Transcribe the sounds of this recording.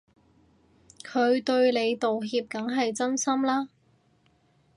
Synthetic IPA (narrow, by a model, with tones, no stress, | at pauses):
kʰɵ˨˧ɥt̪ɵ˧ɥle˨˧jt̪o˨wɦiː˧p̚kɐ˨˥ŋɦɐ˨jt͡sɐ˥nsɐ˥mlaː˥